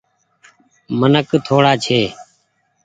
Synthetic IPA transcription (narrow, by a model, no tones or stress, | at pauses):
mənəkt̪ʰoːɽaːt͡ʃʰeː